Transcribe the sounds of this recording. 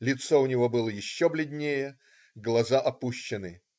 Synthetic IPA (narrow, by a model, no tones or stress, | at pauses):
lʲɪt̪soʊnʲɪvo̞bɨlˠəjɪɕːoblʲɪd̪ʲnʲejə | ɡlˠɐzaʔɐpuɕːɪnɨ